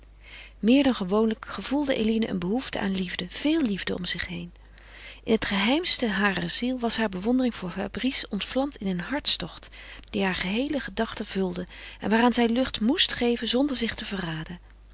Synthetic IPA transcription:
mɪːɹdɑnχəʋownləkχəv̥ulˠdəʔḛlinəʔə̰nbəɦuftə̰ʔa̰ːnlivdəv̥ɪːlˠːivdəɔ̰mz̥ɪχɦejn | ʔɪnɦətχəɦɛjmstəɦaːrəzilˠʋɑsɦaːɹbəʋɔndərɪŋv̥ʊːɹfaːbrisɔntflɑmtɪnənɦɑɹtstɔχtd̥iɦaːɹχəɦejləχədɑχtəv̥ɵlˠdəʔɛ̰nʋaːraːnzɛjlɵχtmustχejvənzɔndəɹzɪχtəvəraːdə

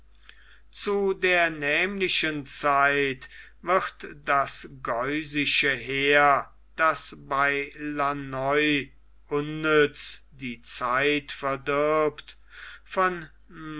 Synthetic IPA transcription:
t͡sudeːɐnɛːmlɪʃənt͡saɪt | vɪʁtd̥asɡɔʏzɪʃəɦeːɐ | d̥asbaɪlanɔʏ | ʔʊnːʏt͡sd̥iːt͡saɪtfɛɐdɪɐpt | fɔn

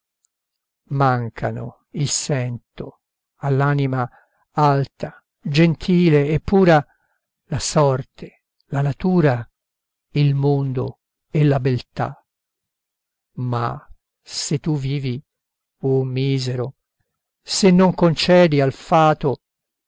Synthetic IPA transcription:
maŋkʰa̰no̰ | ilsɛnt̪o̰ | alːaːnima | alt̪ʰa | d͡ʒent̪ʰiːleːpːuːɾa | lasɔrt̪ʰe | lanat̪uːɾa | ilmond̪o̰ | ɛlabelt̪a̰ | ma̰ | set̪ːuviːvi | omːiːzeɾo | senːoŋkont͡ʃɛːd̪ialfaːt̪o

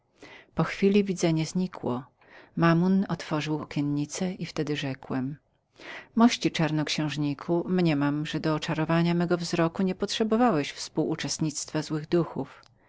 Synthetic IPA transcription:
pɔxfʲilʲivʲid̪zɛɲɛzɲikʰwɔ | mamunɔt̪fɔʐɘwɔkʲɛnɲit̪sɛʔift̪ɛd̪ɘʐɛkwɛm | mɔɕt͡ɕit͡ʂaɾnɔkɕɛ̃w̃ʐɲikʰumɲɛmamʐɛd̪ɔːt͡ʂaɾɔvaɲamɛɡɔvzɾɔkuɲɛpɔtʂɛbɔvawɛɕfspuwʔut͡ʂɛst̪ɲit̪st̪fazwɘɣd̪uxuf

